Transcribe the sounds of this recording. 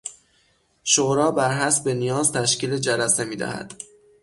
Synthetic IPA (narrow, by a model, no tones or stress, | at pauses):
ʃoɾɒːbæɾɦæsbenijɒːzt̪ʰæʃcʲiːled͡ʒælæse̞miːd̪æ̰hæ̰d̪̥